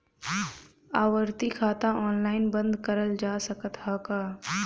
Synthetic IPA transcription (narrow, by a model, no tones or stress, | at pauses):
aːʋəɾt̪ikʰaːt̪aʔɔːnlaːɪnbə̃nd̪kəɾəld͡ʒaːsəkət̪haːkaː